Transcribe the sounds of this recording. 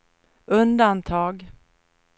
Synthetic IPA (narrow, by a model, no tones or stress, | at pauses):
ɵnd̪ant̪ʰɑːɡ